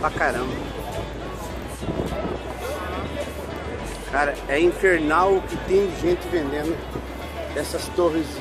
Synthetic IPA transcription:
pakaɾɐ̃mbɐɐ | kaɾɐɛĩfeɾnawɪt̪ẽj̃dɪʒẽnt͡ʃ̪ɪvẽnẽnʊ | d̪ɛsɐst̪oʁiz

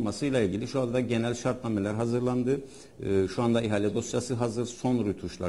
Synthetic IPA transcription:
masɯjlˠailʲɟilʲiʃuand̪aɟe̞nælʲʃaɾt̪̚namelʲæɾɦazɯɾlˠand̪ɯ | ʃuand̪aiɦalʲɛd̪o̞sjasɯɦazɯɾso̞nɾut̪ʰuʃlˠa̰

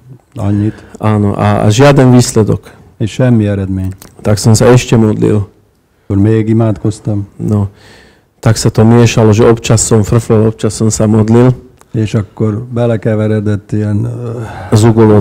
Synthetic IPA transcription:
ɒ̰ɲːit̪aːnoʔa̰ʒɪad̪ɛnʋiːslɛd̪ɔ̰k | eːʃʃɛmːiɛɾɛd̪meːɲt̪aksɔmsaɛʃcɛmɔd̪lḭl | oɾmeːɡimaːt̪kost̪ɔmnɔ | t̪aksat̪ɔmɪɛʃalɔʒɛɔpt͡ʃasːɔmfr̩flɔlɔpt͡ʃasːɔmsamɔd̪lil | eːʃɒkːoɾbɛlɛkɛʋɛɾɛd̪ɛt̪ːiɛn | zuɡolo

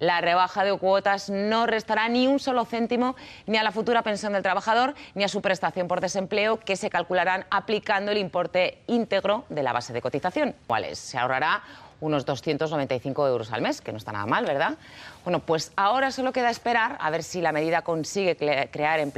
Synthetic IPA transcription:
lare̞β̞axaðe̞kwo̞t̪azno̞re̞st̪aɾaniunso̞lo̞θe̞nt̪imo̞nialafut̪uɾape̞nsjond̪elt̪ɾaβaxað̞o̞ɾniasupɾe̞st̪aθjo̞mpo̞ɾðe̞se̞mple̞oke̞se̞kalkulaɾanaplikand̪oe̞limpo̞ɾt̪e̞int̪e̞ɣɾo̞ðe̞la̰β̞a̰se̞ðe̞ko̞t̪iθaθjo̞nkwa̰lḛsːe̞a̰oraɾauno̞zðo̞sθje̞nt̪onoβ̞e̞nt̪ajθiŋko̞e̞wɾo̞sa̰lme̞skeno̞est̪ana̰ða̰malβe̞ɾð̞abwe̞no̞pwe̞sao̞ɾasolo̞ke̞ðaespe̞ɾaɾa̰βe̞ɾsilame̞ðiðako̞nsiɣ̞e̞kɾe̞aɾemp

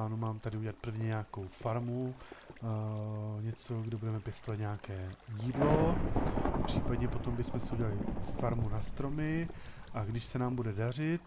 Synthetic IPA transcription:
aːnumaːmt̪adɪuɟɛlat̪̚pr̩vɲɛɲaako̞wfaɾmu | ɲɛt͡so̞ɡdɛbudɛmɛpjɛst̪ovat̪ɲaakɛːjiːdlo̞ | pr̥iːpadɲɛpo̞t̪o̞mbɪsmɛsɛuɟɛlalɪfaɾmunast̪ɾo̞mɪ | ʔaɡdɪʃsɛnaːmbudɛdar̝ɪt̪̚

